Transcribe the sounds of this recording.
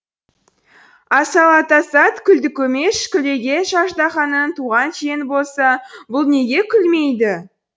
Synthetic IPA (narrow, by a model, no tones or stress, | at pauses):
ɑsɑlˠɑt̪ɑsɑt̪kʲʰʏld̪ɪkʲʰɵme̞ʃkʲʰʏle̞ɡʲe̞ʃɑʃd̪ɑχɑnənt̪uʁɑnʃejɪnbo̞lˠsɑbʊlˠne̞ɡʲe̞kʲʰʏlme̞jd̪ɪ